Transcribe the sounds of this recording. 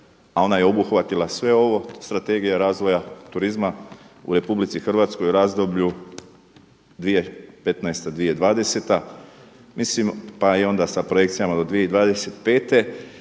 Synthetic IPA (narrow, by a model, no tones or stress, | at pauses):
ao̞najeo̞buxʋat̪ilasʋe̞o̞ʋo̞st̪ɾat̪e̞ːɡijaɾaːzʋo̞jat̪uɾizmaṵɾe̞publit̪sixr̩ʋaːt̪sko̞juɾaːzd̪o̞bʎu | d̪ʋijepe̞t̪naest̪ad̪ʋijed̪ʋaːd̪e̞se̞t̪a | mislimpaio̞nd̪asapɾo̞je̞kt̪sijamad̪o̞d̪ʋije̞id̪ʋaːd̪e̞se̞t̪pe̞ːt̪e̞